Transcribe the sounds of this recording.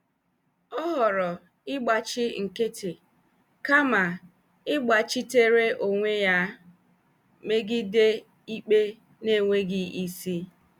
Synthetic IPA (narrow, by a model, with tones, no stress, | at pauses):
ɔ˦ɦɔ˨ɾɔ˨ | ɪ˦ɡ͡ba˨t͡ʃɪ˦ŋ̩˨ke˦ti˨ | ka˦ma˨ | ɪ˦ɡ͡ba˨t͡ʃi˦te˦ɾe˦ʔo˨ŋʷe˦ja˦ | me˦ɡɪ˦de˦ | i˦k͡pe˦ | ne˦˨ŋʷe˦ɡɪ˦i˦si˦